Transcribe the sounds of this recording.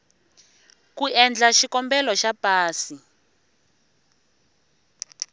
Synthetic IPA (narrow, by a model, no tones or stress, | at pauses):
kuɛnd͡ɮaʃikɔmbɛlɔʃapaːsi